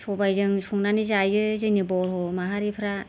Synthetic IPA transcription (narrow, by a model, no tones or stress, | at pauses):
sʰɔbajzɯŋsuŋnanizajɯzɯnibɔlɦɔmaɦaɾipʰɾa